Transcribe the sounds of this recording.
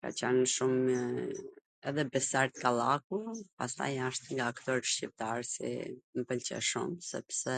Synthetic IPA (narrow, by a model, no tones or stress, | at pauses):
ka̰t͡ɕɛnʃum | ɛðɛbɛsaɾt̪kalˠakupast̪a̰jaʃt̪ŋɡaːkt̪ɔɾʃcip̚t̪aɾsḭməpəlt͡ɕɛ̰ʃṵmsɛ̰psɛ